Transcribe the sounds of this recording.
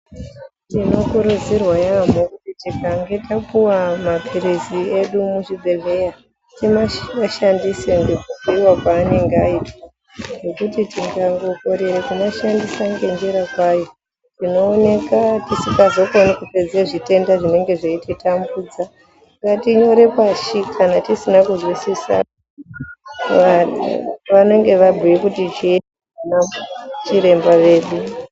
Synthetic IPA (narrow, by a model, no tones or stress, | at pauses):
tino̞kuɾud͡zirwajamokutitikaŋɡe̞tapuwamapʰiɾizie̞ɗumuʐibʱe̞ɮe̞ja | timaaʃandiseŋɡekukiiwakwaːne̞ŋɡeaitwa | ʐe̞kutitiŋɡaŋɡo̞ko̞ɾeɾekumaʃandisaŋɡe̞nd͡ʒiɾakwaːjo̞ | tino̞ːne̞katisikazo̞konikuped͡zeʐite̞ndaʐine̞ŋɡe̞ʐeititambuːd͡za | ŋɡatiɲo̞ɾe̞paʃikʰanatisinakuzwisisa̰ | a | ʋane̞ŋɡe̞ʋabʱiikutit͡ʃie | anat͡ʃiɾe̞mbaʋe̞ːɗu